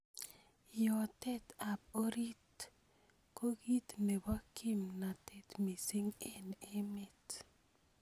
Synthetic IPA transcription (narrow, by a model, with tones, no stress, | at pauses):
jɔ˨tɛ˦ta˨p̚o˦ɾi˦t | ko˦ɡi˦t̪ne˨ba˦kʰɪ˦mna˨tɛ˦t̪mi˨si˦ŋe˨ne˦me˨t